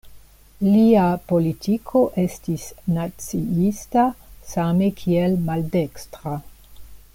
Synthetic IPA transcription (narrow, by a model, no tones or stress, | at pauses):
liapo̞litikʰo̞ʔestisnat͡siistasamekʰielmaldekstɾa